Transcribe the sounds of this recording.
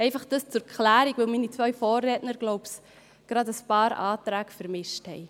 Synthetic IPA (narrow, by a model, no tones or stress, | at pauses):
ɛɪfɑχd̥ɑst͡sʊɾkʰlæːɾiɡʋɪlminit͡sʋœʏfɔːrːɛːtnəɾɡ̥loʊps | ɡ̥ɾɑdəspɑːɾɑːtɾæːkfəɾmɪʃthɛ̰ɪ